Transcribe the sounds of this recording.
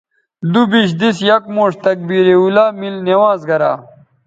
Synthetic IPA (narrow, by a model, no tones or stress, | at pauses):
d̪ubiɕ̬d̪isjɐk̚moːʂt̪ɐk̚biɾeulaːmilnewãːzɡɐɾa̰ː